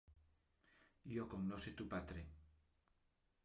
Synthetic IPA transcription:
jokoŋnoset̪upat̪ɾe

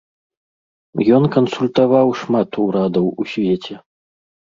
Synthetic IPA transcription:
jɔnkɐnsulʲt̪avawʂmat̪uɾad̪ɐwusʲvʲɛt͡sʲɛ

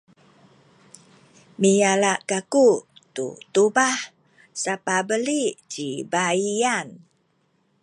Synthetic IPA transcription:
mijalaʔkakut̪ṵt̪ubah | sapabəliʔt͡ʃibaian

